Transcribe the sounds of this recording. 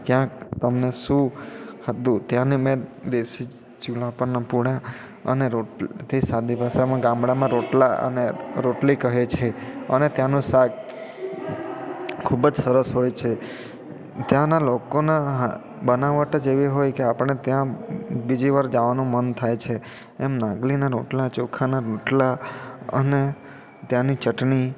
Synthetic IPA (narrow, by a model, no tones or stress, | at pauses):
kjãkt̪əmneʃũhət̪ũt̪jãnemɛ̃d̪esi | t͡ʃulapəɾnapuɽa | ə̰neɾoʈlt̪ʰisad̪ibʱaʃamãɡãmbɽamãɾoʈlaʔə̰neɾoʈlikəɦet͡ʃʰeənet̪jãnũsaɡ | kʰubəd͡ʒsəɾəsɦojt͡ʃʰe | t̪jãnalokonaɦ | bənaʋəʈ̪ad͡ʒeʋiɦojkeapəɳet̪jãbid͡ʒiʋaɾd͡ʒaʋanũmənt̪ʰajt͡ʃʰe | emnãɡlinaɾoʈlat͡ʃokʰanaɾoʈlaə̰ne | t̪jãnit͡ʃəʈni